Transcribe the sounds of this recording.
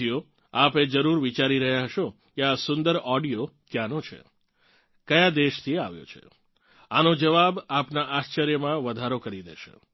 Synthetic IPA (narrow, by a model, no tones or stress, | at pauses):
ijo | aped͡ʒəɾuɾʋit͡ʃaɾiɾəɦjaɦəʃo | keasʊnd̪əɾɔɖijokjanot͡ʃʰḛ | kəjad̪eʃt̪ʰieaʋjo̰t͡ʃʰḛ | anod͡ʒəʋabapnaʔast͡ʃəɾjəmãʋəd̪ʱaɾokəɾid̪ḛʃḛ